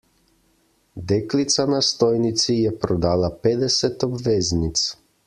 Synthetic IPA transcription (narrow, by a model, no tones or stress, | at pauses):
d̪eklit̪sanast̪ojnit̪sijepɾod̪aːlaped̪eset̪obʋeznit̪s